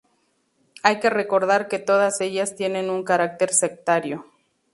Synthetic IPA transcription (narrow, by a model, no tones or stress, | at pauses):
ajke̞re̞ko̞ɾðaɾke̞t̪o̞ð̞ase̞ʝast̪jene̞nuŋkaɾak̚t̪e̞ɾse̞k̚t̪aɾjo̞